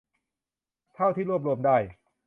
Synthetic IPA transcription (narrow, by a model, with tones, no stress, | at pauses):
t̪ʰa˥˩wt̪ʰiː˥˩ɾu˥˩əp̬̚ɾu˧əmdaː˥˩j